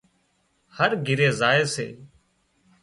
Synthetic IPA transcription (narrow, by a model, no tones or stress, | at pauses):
həɾɡʱɪɾeːzaːeːsḛː